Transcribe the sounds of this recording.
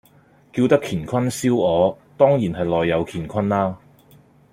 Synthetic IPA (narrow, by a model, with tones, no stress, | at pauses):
kiː˧wt̪ɐ˥kʰiː˨˩nkʷʰɐ˥nsiː˥wɔː˨˧ | t̪ɔː˥ŋjiː˨˩nɦɐ˨jlɔː˨jːɐ˨˧wkʰiː˨˩nkʷʰɐ˥nlaː˥